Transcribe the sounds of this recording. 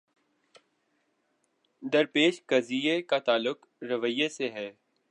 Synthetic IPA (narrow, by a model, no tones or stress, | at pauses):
d̪ɐɾpeːʃkɐziːekat̪aːlʊk | ɾɐʋəjeseɦɛː